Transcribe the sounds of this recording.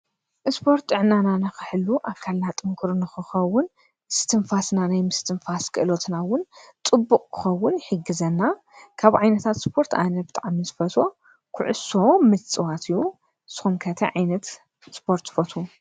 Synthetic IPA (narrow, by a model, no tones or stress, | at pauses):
ʔɨspʰo̞ɾt̪ːɨʕnananɨxɨħɨlːuʔaβkʰalnat̪ʼɨŋkʰuɾnɨxɨxɐwːʊn | ɨst̪ʰɨnfasnanajmɨst̪ʰɨnfaskʰɨʔɨlo̞t̪nawʊnt̪ʼɨbːukʼkʰɨ̥xɐwːʊnħɨɡɨzɐnːa | kʰaβʕajnɐt̪ʰat̪spʰo̞ɾt̪ʰanɐbɨt̪ʼaʕmizɨfɐt̪ʰo̞ | kʰʊʕʊ̰so̞mɨt͡sʼɨwat̪ʰɨjːu | sɨ̥xumkʰɐt̪ʰɐʕajnɐt̪ | spʰo̞ɾt̪fot̪ʰu